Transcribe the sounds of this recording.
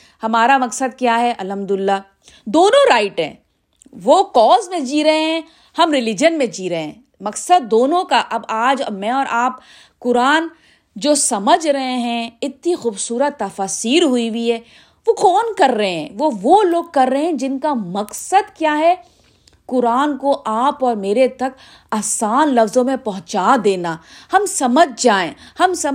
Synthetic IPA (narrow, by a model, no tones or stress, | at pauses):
hɐmaːɾamɐksəd̪̚kjaːɦɛʔɐlɦɐmd̪ʊɪlːaː | d̪oːnõɾaːɪʈɦɛ̰̃ː | ʋoːkɔːzmẽd͡ʒiːɾɐɦeɦɛ̃ | hɐmɾɪlɪd͡ʒənmẽd͡ʒiːɾɐɦeɦɛ̃ | mɐksəd̪̚ːoːnõkaʔɐbaːd͡ʒ̰mɛ̃ɔːɾʔaːp | kʊɾaːn | d͡ʒoːsɐməd͡ʒʱɾɐɦẽɦɛ̃ɪt̪nixuːbsuːɾət̪ːɐfaːsiːɾɦʊiwiɦɛː | ʋokɔːnkɐɾːɐɦeɦɛ̃ːʋoʋoloːɡ̚kɐɾːəɦeɛ̃d͡ʒɪnkamɐqsəd̪kjaːɦɛ | kʊɾaːnkoʔaːpɔːɾmeːɾet̪ɐk | ɐːsaːnlɐfzõmẽpɐɦʊ̃t͡ʃaːd̪eːnahɐmsɐməd͡ʒʱd͡ʒaːẽːhɐmsɐ